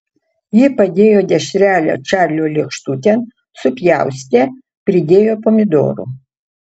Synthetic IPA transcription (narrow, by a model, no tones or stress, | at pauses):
jɪpɐd̪ʲeːjoːd̪ʲɛʃʲɾʲæːlʲo̰t͡ʃæːrʲlʲoːlʲɪkʃt̪ut̪ʲen | sʊpʲjæwsʲt̪ʲɛ | pʲɾʲɪd̪ʲeːjoːpomʲɪd̪o̰ːɾṵ